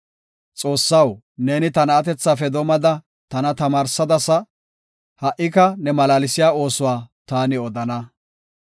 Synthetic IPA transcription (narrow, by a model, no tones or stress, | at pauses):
t͡sʼo̞ːsːɐw | ne̞ːnɪt̪ɐnɐːt̪ɛt͡sːaːfɛd̪ɔmɐd̪ɐ | t̪ɐnɐt̪ɐmaːɾsɐd̪ɐsɐ | hɐʔɪkɐnɛmɐlaːlɪsɪjaːo̞ːsʊwaːt̪aːnɪɔd̪ɐnɐ